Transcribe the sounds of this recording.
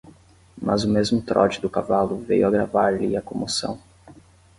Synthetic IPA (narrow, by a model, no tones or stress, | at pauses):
mʔɐzʊmezmʊt̪ɾʔɔ̰d͡ʒɪd̪ʊkavalʊvḛjʊaɡɾavaɾliɐkõmosɐ̰̃w̃